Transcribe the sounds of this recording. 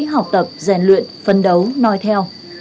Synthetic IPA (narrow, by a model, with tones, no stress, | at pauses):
ɦa˨˩wk͡p̚t̪ə˨˩p̚za˧˩nlwḭ˧˨ənfə˧nɗə˨˦wnɔ˧jt̪ʰɛ˧w